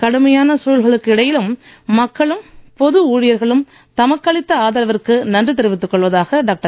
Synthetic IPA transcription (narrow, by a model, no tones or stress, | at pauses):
kɐɽɯmɐjaːnɐsuːlɣɐɭɯkːɪɽɐjɪlɯmː | ɐkːɐɭɯmpɔðɯuːɻɪjɐɾɣɐɭɯm | t̪ɐmɐkːɐɭɪt̪ːɐaːðɐlɐʋɐɾkːɯnɐndrɯt̪ːɪɾɯʋɪt̪ːɯkːɔɭʋɐðaːɣɐɖaːk̚ʈɐ